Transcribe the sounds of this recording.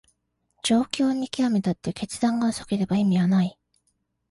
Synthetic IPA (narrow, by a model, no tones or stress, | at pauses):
d͡ʑo̞ːkʲo̞ːɲ̟ikʲiame̞t̪at̪ːe̞ke̞t͡sɨd̪ãŋɡaoso̥ke̞ɾe̞baimʲiβanai